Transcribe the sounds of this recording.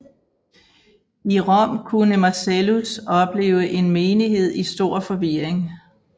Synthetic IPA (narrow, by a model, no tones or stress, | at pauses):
iʁɒ̽m̰kʰunəmɑselusɒ̽b̥le̝̰ːʊəʔe̝nmeːniɦe̝ð̞̰ˠisd̥o̝ɐ̰fɒ̽ʋiɐ̰eŋ